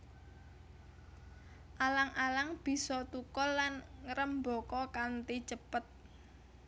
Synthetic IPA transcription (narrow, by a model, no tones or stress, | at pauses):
ʔalaŋʔalaŋb̥i̤sɔt̪ukɔlːanɾəmbɔ̤kɔkant̪i̥t͡ʃəpət̪̚